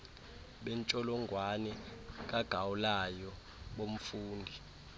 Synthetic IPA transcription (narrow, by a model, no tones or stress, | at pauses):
ɓɛnt͡ʃʼɔlɔŋʱwanɛk̬aɡ̥ʱawulajɔ | ɓom̩fuːndʱi